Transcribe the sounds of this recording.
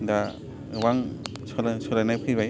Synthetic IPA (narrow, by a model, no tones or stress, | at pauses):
da | waŋ | sɔlsɔlajnapʰɯβaj